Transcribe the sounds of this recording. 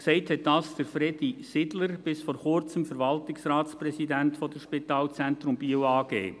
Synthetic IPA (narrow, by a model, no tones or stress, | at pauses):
ksɛɪthɛt̚dɑsd̥əɾfɾɛd̥isɪdləɾb̥ɪsfɔɾχʊɾt͡səmfəɾʋɑltɪksrɑːtsprɛsidæntfɔdəʃpitɑːlt͡sɛnt̪ɾʊmbiəwɑːɡ̥ḛː